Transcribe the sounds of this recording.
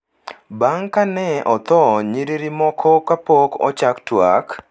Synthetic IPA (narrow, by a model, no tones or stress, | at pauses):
baŋkanɛʔɔt̪ɔɲiɾiɾimɔkʰɔkapokɔ̰t͡ʃaktwak